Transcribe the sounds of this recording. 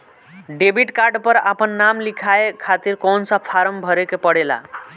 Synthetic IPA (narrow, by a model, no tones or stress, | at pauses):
ɖebʱiʈkaɾɖpəɾa̰pənːamlikʰaekʰat̪iɾkɔnsapʰaɾəmbʱəɾekepəɽela̰